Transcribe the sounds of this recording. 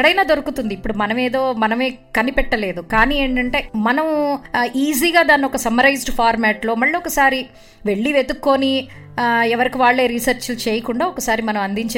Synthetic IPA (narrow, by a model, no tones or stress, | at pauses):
kɐɽɐjnaːd̪oɾukut̪und̪iːpːuɽumɐnɐme̞ːd̪o̞ːmɐnɐme̞ːkɐnipɛʈːɐle̞ːd̪ukaːniːeːɳʈɐɳʈe̞ːmɐnɐmʔiːziːɡaːd̪aːnːiɔkɐsɐmɐɾɐjzɖpʰaːɾmɛːʈlo̞ːmɐɭːiɔkɐsaːɾi | ʋe̞ɭːiʋe̞t̪ukːo̞ːni | ɛʋɐɾikiʋaːɭːe̞ːɾisɐɾt͡ʃlut͡ʃeːjɐkuɳɖaːɔkɐsaːɾimɐnɐmɐnd̪iɲt͡ʃː